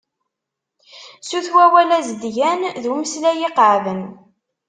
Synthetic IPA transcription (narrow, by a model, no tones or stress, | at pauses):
suθwæwælæzəd̪ʝænðuməslæjiqʕvən